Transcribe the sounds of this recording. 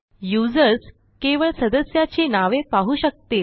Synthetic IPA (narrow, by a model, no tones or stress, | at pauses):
jud͡zəɾs | keʋəɭsəd̪əsjat͡ɕenaʋepaɦuɕək̚t̪e